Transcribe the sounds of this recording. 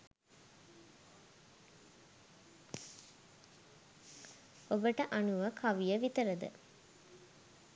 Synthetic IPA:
obəʈəʔanuʋəkʰaʋijəʋit̪əɾəd̪ə̰

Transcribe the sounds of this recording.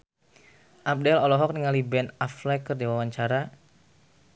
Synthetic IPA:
ʔap̚dɛlɔlɔɦɔk̚niŋalibɛnaflɛkərdiwawaɲt͡ʃaɾa

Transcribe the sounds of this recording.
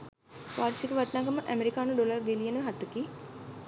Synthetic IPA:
paːɾʃikəʋaʈnaːɡaməʔæmeɾikaːnəɖolɐrbilijənəʋɦat̪əki

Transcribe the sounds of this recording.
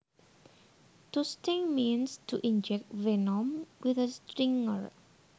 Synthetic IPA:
tustĩŋminstʰuʔind͡ʒɛk̚tvenɔmwiθəstɾiŋəɹ

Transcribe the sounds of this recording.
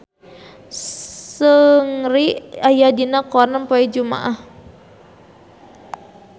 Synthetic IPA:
səŋɾiajadinakɔnampaɛd͡ʒuma̰ʔah

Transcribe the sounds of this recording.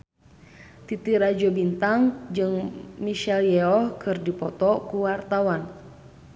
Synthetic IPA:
t̪it̪iɾad͡ʒɔbint̪aŋd͡ʒɨŋmiʃɛljɛɔhkʰɨrdipɔt̪ɔkuwart̪awan

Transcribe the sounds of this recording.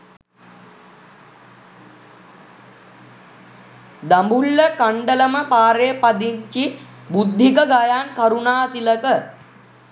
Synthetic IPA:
d̪ambulːəkaɳɖələməpaːɾeːpad̪iɲt͡ʃi | bud̪ʱːikəɡajankaɾunaːt̪iləkə

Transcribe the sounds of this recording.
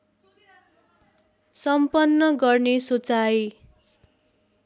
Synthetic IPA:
sʌmpʌnːʌɡʌrnesot͡saj

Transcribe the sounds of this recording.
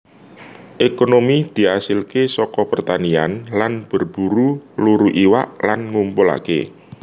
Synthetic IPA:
ʔekonomid̪̥i̤asɪlkesɔkɔpərt̪anianlanb̥ərb̥uɾuluɾuʔiwa̰ʔlanŋumpʊla̰kḛ

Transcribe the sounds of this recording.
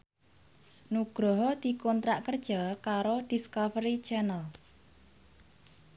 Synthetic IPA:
nuɡ̥ɾɔɦɔd̪̥i̤kɔnt̪ɾaʔkərd̥ʒ̥ɔkaɾoɖ̥iskɔvəɾit͡ʃɛnəl

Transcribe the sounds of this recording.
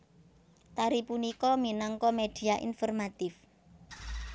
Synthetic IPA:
t̪aɾipunikɔminɔŋkɔmed̥i̤aʔḭnfɔrmat̪ɪf

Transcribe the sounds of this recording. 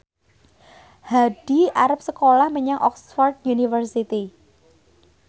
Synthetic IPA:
haɖ̥iaɾap̚səkolahməɲaŋʔɔ̰ksfard̪̚junifərsit̪i

